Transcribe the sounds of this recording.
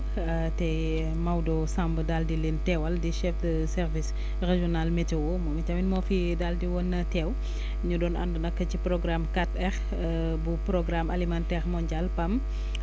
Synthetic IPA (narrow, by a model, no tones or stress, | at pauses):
tɛ | mawdɔsambədaldilintɛwɐldiʃɛfdɐ | sɛɾvis | reʒɔnalmɛtɛwɔmɔmicɐminmɔfi | daldiwɔnːɐtɛːw | ɲudɔːnʔɐ̰ndunɐkːɐcipɾɔɡɾamkatɛx | bupɾɔɡɾamʔɐlimantɛɾmɔɲɟalpɐm